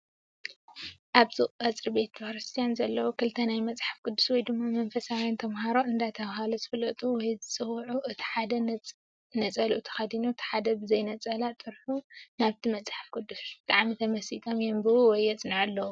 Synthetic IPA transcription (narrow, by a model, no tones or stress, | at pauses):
ʔaβzɨʔʼʔʼɐt͡sʼɾibe̞t̪̚fɐɾɨst̪ʰijanzɐlːɐwukʰɨlɨt̪ʰɐnajmɐt͡sʼħḁfkʰɨd̪ːuswɔjd̪ɨmːamɐnfɐsawjant̪ʰɐmɦaɾoʔɨnd̪at̪ʰɐβɦalozɨfɨlɐt̪ʼuwɔjzɨt͡sʼɨwʕuʔɨt̪ʰi̥ħad̪ɐ | nɐt͡sʼɐlʔut̪ʰɐ̥xɐd̪inuɨt̪ʰi̥ħad̪ɐbɨzɐjnɐt͡sʼɐlat̪ʼɨɾħunaβt̪ʰimɐt͡sʼħḁfkʰɨd̪ːusbɨt̪ʼaʕmit̪ʰɐmɐsit̪ʰʼomjombɨuwɔjːɐt͡sʼnɨʕɨlːɐwu